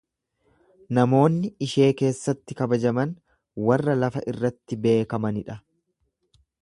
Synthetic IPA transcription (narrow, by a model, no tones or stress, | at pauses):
nɐmo̞ːnːɪɪʃe̞ːke̞ːsːɐt̪ːɪkɐbɐd͡ʒɐmɐn | wɐrːɐlɐfɐʔɪrːɐt̪ːɪbe̞ːkɐmɐnɪᶑɐ